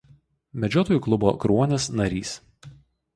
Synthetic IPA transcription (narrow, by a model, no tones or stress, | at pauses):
mʲɛd͡ʒʲɔːt̪oːjʊklˠʊbo̰ːkɾuɔnʲesnɐɾʲḭːs